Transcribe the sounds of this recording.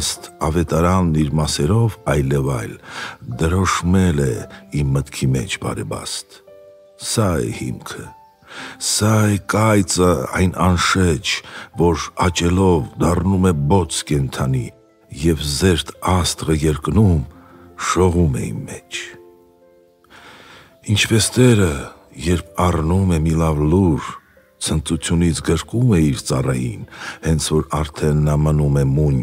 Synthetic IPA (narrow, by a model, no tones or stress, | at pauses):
st̪ɑvɛt̪ɑɾɑnːiɾmɑsɛɾɔvɑjlɛvɑjld̪əɾɔʃmɛlɛimːət̪kʰimɛ̰t͡ʃʰbɑ̰ɾɛbɑ̰st̪ | sɑɛ̰hḭmkʰə | sɑɛkɑjt͡səɑ̰jnʔɑnʃɛt͡ʃʰvɔɾɑt͡ʃɛlɔvd̪ɑrnumɛbɔt͡sʰkɛnt̪ʰɑni | jɛvzɛɾt̪ʰɑst̪ʁəjɛɾknumʃɔʁumɛ̰ḭmmɛt͡ʃʰ | int͡ʃʰpɛst̪ɛɾəjɛɾpʰɑrnumɛmilɑvluɾ | t͡sʰənt͡sut͡sʰjunit͡sʰɡəɾkumɛiɾt͡sɑrɑjḭnhɛnt͡sʰvɔɾɑɾt̪ʰɛnːɑmənumɛmuɲ